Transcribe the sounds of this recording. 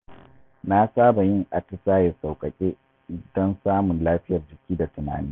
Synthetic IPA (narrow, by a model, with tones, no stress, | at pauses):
na˦saː˦ba˨jɪ˦˨ŋʔa˨tɐ˦saː˦je˨sa˨wkʼɐ˨kʲʼeː˦ | dɔ˦nsaː˦mʊ˨nlaː˦ɸɪ˦jɐ˨rd͡ʒɪ˨kʲiː˦da˨tʊ˨na̰ː˨˦niː˦